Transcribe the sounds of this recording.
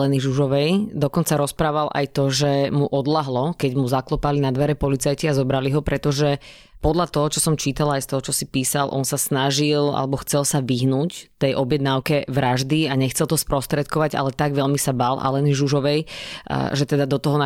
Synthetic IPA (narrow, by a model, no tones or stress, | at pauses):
lɛniʒuʒɔʋɛjd̪ɔkɔnt͡saɾɔspɾaːʋalʔa̰jt̪ɔʒɛmuʔɔd̪laɦlɔkɛɟmuzaklɔpalinad̪ʋɛɾɛpɔlit͡sajciazɔbɾaliɦɔpɾɛt̪ɔʒɛ | pɔd̪ʎat̪ɔɦɔt͡ʃɔsɔmt͡ʃiːt̪alajst̪ɔɦɔt͡ʃɔsipiːsalʔɔ̰nsasnaʒila̰lɛbɔxt͡sɛlsaʋiɦnuːct̪ɛjʔɔbjɛd̪̚naʊkɛʋɾaʒd̪iaɲɛxt͡sɛlˠt̪ɔspɾɔst̪ɾɛt̪̚kɔʋaɟa̰lɛt̪aɡʋɛʎmisabalʔa̰lɛniʒuʒɔʋɛj | ʒɛt̪ɛd̪ad̪ɔt̪ɔɦɔna